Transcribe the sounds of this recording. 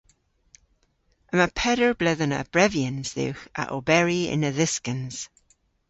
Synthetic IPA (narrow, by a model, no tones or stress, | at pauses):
əməpʰɛdəɹblɪðənə̰b̥ɹɛvjənz̥ðɪ̰wxə̰ʔo̰bɛɹiɪ̰nəðɪskənz̥